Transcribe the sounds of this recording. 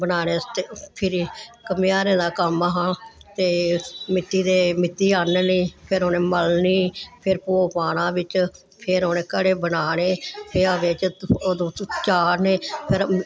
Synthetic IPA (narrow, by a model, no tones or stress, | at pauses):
bənaːneːt̪epʰɪɾikəmjaːɾẽːd̪aːkəmaɦãt̪eːmɪt̪ːiːd̪eːmɪt̪ːiːanniːpʰɪɾoːnẽːməlniːpʰɪɾpoːpaːnãːʋɪt͡ʃ | pʰɪɾoːnẽːkəɽeːbənaːɽ̃eːpʰeɾaʋeːt͡ʃoːd̪õːt͡ʃaːɾneːpʰɪɾ